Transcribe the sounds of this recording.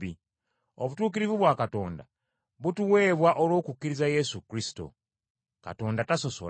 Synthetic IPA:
i | oβutuːk̬iɾivuβwakato̞̰ːnda̰ | βutuwe̞ːβwaʔolwoːkukːiɾizaje̞sukɾisi̥to̞̰ | ka̰to̞ːndataso̞so̰

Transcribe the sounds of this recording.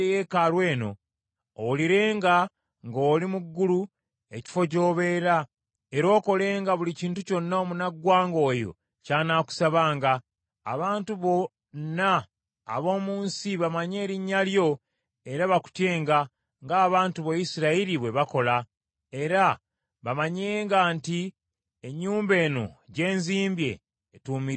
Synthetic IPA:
ejekalwe̞ːno̞̰ | oliɾe̞ːŋɡa | ŋɡoːlimuɡːulu | e̞ci̥fo̞co̞ːβe̞ːɾa | e̞ɾo̞ːko̞le̞ːŋɡaβuliciːntuco̞nːaomunaɡwaːŋɡo̞ːjo̞̰ | caːnaku̥saβaːŋɡa̰ː | βaːntuβo̞ | nːa̰ː | βo̞ːmuːnsiβamaɲe̞ːɾiɲːaljo̞ | e̞ɾaβaku̥tje̞ːŋɡa | ŋɡaːβaːntuβojisiɾaiɾiβwe̞βako̞la | e̞ɾa | βamaɲeŋɡaːnti | eɲːuːmbe̞ːno̞̰ɟe̞ːnziːmbje̞̰ː | tuːmiɾ

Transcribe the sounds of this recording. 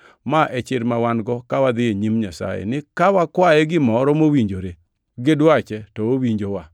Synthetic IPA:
maʔɛt͡ʃɪɾmawanɡɔkawad̪ɪeɲimɲasa̰jɛ̰nɪkawakwajɛɡɪmɔɾɔmowiɲd͡ʒoɾe | ɡɪdwat͡ʃɛtɔowiɲd͡ʒowa

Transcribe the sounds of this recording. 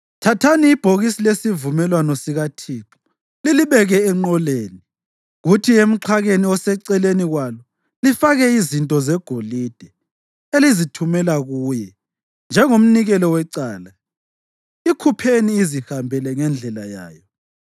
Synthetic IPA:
tʰatʰaniːb̥ʱoɣisilesivumɛlwanɔsiɣatʰiːǁɔ̥ | liliβɛɣɛɛŋ͡ǃɔleːni | ɣutʰiem̩ǃʰaɣeniɔsɛǀɛleniɣwalɔ | lifaɣɛizintʼɔzɛɡ̥ʱolid̥ʱɛ | elizitʰumɛlaɣuːjɛ | nd͡ʒʱɛŋom̩niɣɛlɔwɛǀaːla | ikʰupʰeniːzihambʱɛlɛŋɛnd͡ɮʱɛla̰ja̰ːjɔ

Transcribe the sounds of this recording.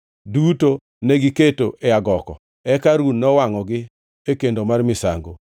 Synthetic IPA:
duto | neɡiketoʔeaɡɔkɔ̰ | ɛkaɾunːɔwaŋɔɡɪ | ekendomarmɪsa̰ŋɡo

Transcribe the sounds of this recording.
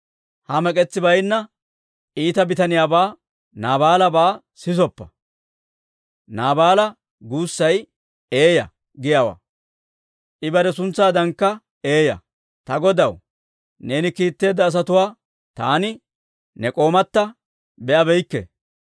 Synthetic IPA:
hɐmɛkʼɛt͡sːɪbɐjnːɐ | ʔiːt̪ɐbɪt̪ɐnɪjaːbaː | naːbaːlɐbaː | sɪsɔpːɐ | naːbaːlɐ | ɡuːsːɐj | e̞ːjɐ | ɡɪjaːwa̰ː | ʔɪbɐɾɛsʊnt͡sːaːd̪ɐŋkːɐ | e̞ːjɐ̰ | t̪ɐɡɔd̪ɐw | ne̞ːnɪkiːt̪ːe̞ːd̪ːɐːs̬ɐt̪ʊwaː | t̪a̰ːnɪ | nɛkʼo̞ːmɐt̪ːɐ | bɛʔɐbɛjkːɛ̰

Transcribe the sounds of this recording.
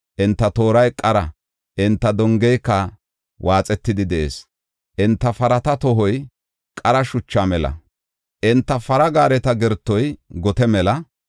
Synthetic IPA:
ʔɪnt̪ːɐt̪o̞ːɾɐjkʼɐɾɐ | ʔɪnt̪ːɐd̪ɔŋɡɛjkːɐ | wʔaːt͡sʼɛt̪ːɪd̪ɪd̪ɛʔḛːs | ʔɪnt̪ːɐfɐɾɐt̪ɐt̪ɔɦɔj | kʼɐɾɐʃʊt͡ʃːamɛlɐ̰ | ʔɪnt̪ːɐfɐɾɐɡaːɾɛt̪ɐɡɛɾt̪ːɔjɡɔt̪ɛmɛlɐ

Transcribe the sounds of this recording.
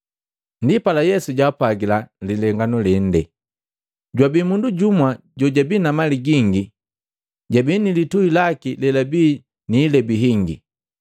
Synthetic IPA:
ndipalajɛsuɟapaɡilalilɛŋɡanɔlɛn̩dɛ | ɟwabimunduɟumwa | ɟɔɟabiːnamaliɡiŋɡi | ɟabinilituilakilɛlabiː | niːlɛbiɦiŋɡḭ

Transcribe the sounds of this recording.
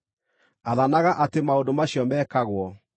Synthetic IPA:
aðanaɣaʔatemaondomaɕjɔmɛkaɣwɔ

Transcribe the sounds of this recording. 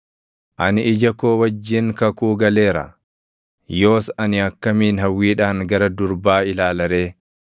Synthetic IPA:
ʔɐnɪɪd͡ʒɐkoːwɐd͡ʒːɪŋkɐkuːɡɐle̞ːɾɐ̰ | jo̞ːsɐnɪɐkːɐmiːnɦɐwːiːᶑaːŋɡɐɾɐd̪ʊɾbaːɪlaːlɐɾeː

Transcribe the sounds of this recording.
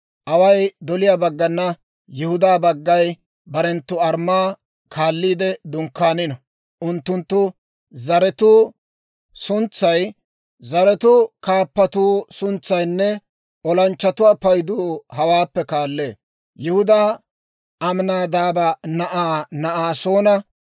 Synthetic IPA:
ʔɐwɐjd̪ɔlɪjabɐɡːɐnːɐ | jɪhʊd̪aːbɐɡːɐj | bɐɾɛnt̪ːʊɐɾmaː | kʰaːlːiːd̪ɛd̪ʊŋkːaːnɪnɔ | ʔʊnt̪ːʊnt̪ːʊ | zɐɾɛt̪uː | sʊnt͡sːɐj | zɐɾɛt̪ʊkaːpːɐt̪uːsʊnt͡sːɐjnːɛ | ɔlɐnt͡ʃːɐt̪ʊwaːpɐjd̪uːɦɐwaːpːɛkaːlːeː | jɪhʊd̪aː | ɐmnaːd̪aːbɐnɐʔaːnɐʔaːso̞ːnɐ

